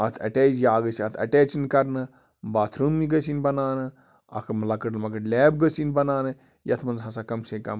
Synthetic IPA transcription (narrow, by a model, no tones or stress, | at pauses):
ɐt̪ʰɐ̰ʈeːd͡ʒjaːɡɐsiɐt̪ʰɐ̰ʈeːt͡ʃinkɐɾnɨ | baːt̪ʰɾumːiɡɐsinbɐnaːnɨ | ɐ̰kʰɐmɐlɐkɐʈlmɐɡɐʈlʲeːbɡəsinbɐnaːnɨ | jɐt̪ʰmɐnzɦɐs̬akɐmseːkɐ̰m